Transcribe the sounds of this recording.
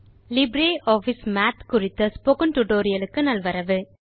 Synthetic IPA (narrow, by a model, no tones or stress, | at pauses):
lɪbɾeːʔoːfɪsmaːt̪kʊrɪt̪ːɐspokɐnʈuʈoːɾɪjɐlɯkːɯnɐlʋɐɾɐʋɯ